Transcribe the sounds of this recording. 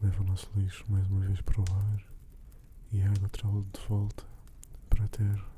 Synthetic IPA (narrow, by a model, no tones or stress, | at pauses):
lˠɛvɐnɔslˠiʃumajzumɐveʃpɾɐlaɾ | iaɡut̪ɾalˠɐd̪ɨvɔlˠt̪ʰɐ̥ | pɾɐt̪ʰeɾ